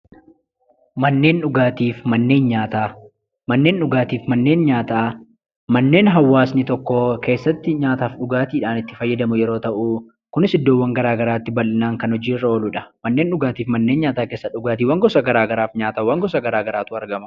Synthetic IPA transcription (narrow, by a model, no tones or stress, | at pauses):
mɐnːe̞ːnᶑʊɡaːt̪iːfmɐnːe̞ːnɲaːt̪aː | mɐnːe̞ːnᶑʊɡaːt̪iːfmɐnːe̞ːnɲaːt̪aː | mɐnːe̞ːnɦɐwːaːsnɪt̪ɔkːoke̞ːsːɐt̪ːɪɲaːt̪aːfᶑʊɡaːt̪iːᶑaːnɪt̪ːɪ̥fɐjːɐd̪ɐmʊjɛɾo̞ːt̪ɐʔuː | kʊnɪsɪd̪ːoːwːɐŋɡɐɾaːɡɐɾaːt̪ːɪbɐlʔɪnaːŋkɐnhɔd͡ʒiːrːɐoːlʊᶑɐmɐnːe̞ːnᶑʊɡaːt̪iːfmɐnːeːnɲaːt̪aːkeːsːɐᶑʊɡaːt̪iːwɐŋɡɔsɐɡɐɾaːɡɐɾaːfɲaːt̪ɐwɐŋɡɔsɐɡɐɾaːɡɐɾaːt̪ʊɐɾɡɐmɐ̥